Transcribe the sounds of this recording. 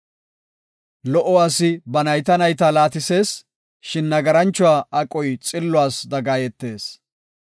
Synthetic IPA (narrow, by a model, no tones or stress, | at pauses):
lɔʔɔwaːsɪbɐnɐjt̪ɐnɐjt̪aːlaːt̪ɪse̞ːs | ʃɪnːɐɡɐɾɐnt͡ʃːʊwaːʔɐkʼɔjt͡sʼɪlːʊwaːsd̪ɐɡaːjɛt̪ːe̞ːs